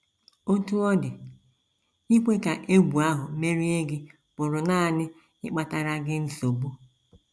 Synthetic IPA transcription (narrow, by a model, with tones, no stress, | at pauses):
o˦tu˦ɔ˦dɪ˨ | i˦kʷe˦ka˨ʔe˦ɡʷu˨a˦ɦʊ˨me˦ɾi˦e˦ɡɪ˦ | bʊ˨ɾʊ˨naː˦˨nɪ˦ | ɪ̰˦k͡pa˦ta˦ɾa˦ɡɪ˦n̩˦so˨bu˦